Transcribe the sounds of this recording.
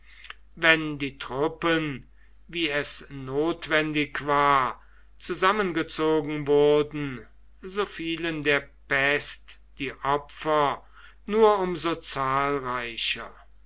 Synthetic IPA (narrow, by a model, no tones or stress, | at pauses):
vɛndiːtʁ̥ʊpən | viːɛsnoːtv̥ɛndɪkv̥aːɐ | t͡suzamənɡət͡soːɡŋ̩vʊɐdn̩ | zoːfiːləndeːɐpɛst | d̥iːʔɔpfɐ | nuːɐʔʊmzot͡saːlʁaɪʃɐ